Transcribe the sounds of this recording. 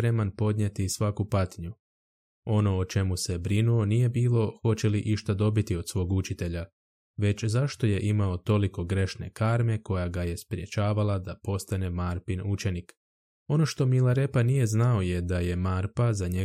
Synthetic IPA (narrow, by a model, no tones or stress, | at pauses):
pɾe̞manpo̞d̪ɲet̪isʋakupat̪ɲu | o̞no̞ːt͡ʃe̞muse̞bɾinuo̞nije̞biːlˠo̞xo̞t͡ɕe̞liʔiʃt̪ad̪o̞bit̪io̞d̪sʋo̞ːɡut͡ʃit̪e̞ʎa | ʋe̞t͡ɕzaʃt̪o̞je̞ʔimao̞t̪o̞liko̞ɡɾe̞ʃne̞kaɾme̞ko̞jaɡaje̞spɾje̞t͡ɕaːʋalad̪apo̞st̪ane̞maɾpinut͡ʃe̞nik | o̞no̞ʃt̪o̞milaɾe̞panije̞znao̞je̞d̪aje̞maːɾpazaɲe